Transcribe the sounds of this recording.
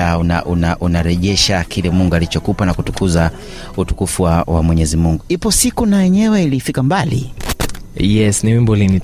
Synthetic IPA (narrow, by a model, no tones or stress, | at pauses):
aunaʔunaʔunaɾɛʄɛʃakʰilɛmuŋɡualit͡ʃɔkupanakutu̥kuza | utu̥kufuwawamwɛɲɛzimuŋɡuhipɔsikunajɛɲɛwɛilifikambalḭ | jɛsnimimbɔlini